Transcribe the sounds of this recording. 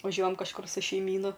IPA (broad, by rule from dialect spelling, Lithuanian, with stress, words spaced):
ʋɐˈʒʲuɔjɛm kɐʃˈkʊr sʊ ʃʲɛɪˈmʲiːnʊ